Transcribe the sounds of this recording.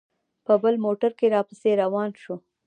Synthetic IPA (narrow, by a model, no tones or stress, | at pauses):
pəbəlmoʈaɾkeɾɑpəseɾawɑnʃo